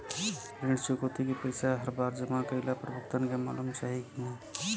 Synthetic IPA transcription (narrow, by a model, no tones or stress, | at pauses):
ɾiɽt͡ʃukot̪ikepəɪsaɦəɾbaɾd͡ʒəmakəɪlapɾəbəkt̪ənkema̰lumt͡ʃaːɦikina